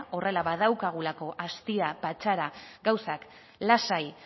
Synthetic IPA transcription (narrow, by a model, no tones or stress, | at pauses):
o̞re̞laβað̞awkaɣ̞ulako̞ʔast̪iapat͡ʃaɾaɡawsak | lasaj